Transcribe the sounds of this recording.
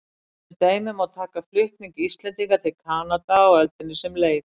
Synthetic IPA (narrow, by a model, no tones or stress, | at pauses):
ɪt̪eːjmɪmawt̪ʰaːkaflʏhk̪niŋkist̪lɛnt̪iŋkat̪ʰɪlkʰaːnat̪aɔɛlt̪ɪnːɪsɛmleːjð